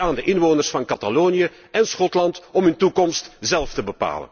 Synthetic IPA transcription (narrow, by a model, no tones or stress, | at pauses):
aːndəʔɪnʋoːnərsfɑnkɑtaloːniə | ʔɛnsχɔtlɑntɔmɵntukɔmstzɛlˠftəbəpa̰ːlə̰n